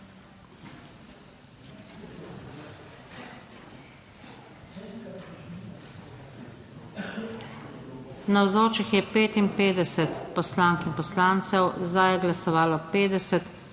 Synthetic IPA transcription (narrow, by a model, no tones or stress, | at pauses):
nawzoːt͡ʃixjɛpeːt̪impeːd̪ɛsɛt̪pɔslaːŋkimpɔslant̪sɛwzd̪ajɛɡlasɔʋaːlɔpeːd̪ɛsɛt̪